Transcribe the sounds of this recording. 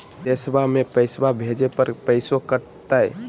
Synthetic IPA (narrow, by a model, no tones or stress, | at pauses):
d̪esbamepəjsbabʱed͡ʒepəɾpəɪsokəɾ | t̪əj